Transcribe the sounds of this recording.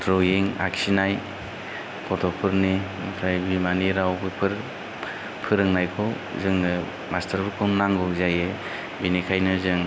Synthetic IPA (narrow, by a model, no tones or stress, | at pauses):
dɾɔjeŋa̰ksinaj | kʰɔtʰɔpʰɯɾni | pʰɾajbimaniɾawɡɯpʰɯɾ | pʰɯɾɯŋnajkʰɔ | zɯŋnɯ | mastʰaɾbɯkʰɯnaŋɡɔzaje | binikʰajnɯzɯŋ